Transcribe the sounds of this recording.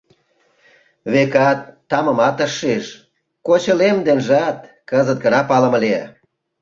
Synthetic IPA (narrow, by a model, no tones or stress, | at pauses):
βekɑt̪ːɑmə̆mɑt̪əʃːeʃ | kot͡ɕə̆lemd̪enʒɑt̪̚ | kəzət̪̚ɡənɑpɑlə̆mə̆leæ̰